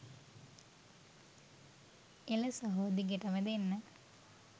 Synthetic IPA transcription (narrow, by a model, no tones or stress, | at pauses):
eləsɐɦoːd̪iɡeʈɐməd̪enːə